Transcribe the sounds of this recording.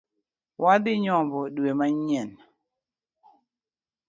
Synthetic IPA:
wʔad̪ɪɲɔmbɔdwemaɲɛn

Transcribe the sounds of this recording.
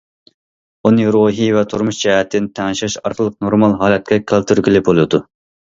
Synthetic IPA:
unɨɾoɦivɛt̪ʰuɾmuʃd͡ʒɛhɛt̪ʰːɪnt̪ʰɛŋɨʃɑʃɑ̰ɾqʰəlˠəq̚noɾmɑlˠɦɑːlɛt̪̚kʲɛkʰɑlˠt̪ʰyɾɡʲilˠɪp̚bolˠɨd̪u

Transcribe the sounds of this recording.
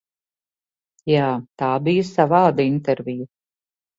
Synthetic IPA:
jaːt̪aːbijɐsavɑːd̪int̪ɛɾvʲiju

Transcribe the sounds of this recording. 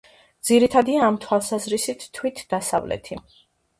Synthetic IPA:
d̪ziɾit̪ʰad̪iaːmt̪ʰwalˠsazɾisit̪ʰːwit̪ʰd̪̥asa̰vlɛ̰t̪ʰi

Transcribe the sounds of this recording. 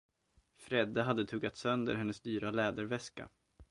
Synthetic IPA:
fɾɛd̪ːəɦad̪ːət̪ʰɵːɡat̪sœnd̪ə̰ɾhɛnːəsd̪yːɾalɛːd̪əɾvɛska̰

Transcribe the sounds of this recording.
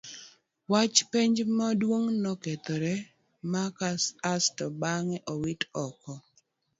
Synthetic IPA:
wat͡ʃpeɲd͡ʒmadwoŋnɔket̪oɾɛ | makasastɔbaŋɛʔɔwitɔkɔ

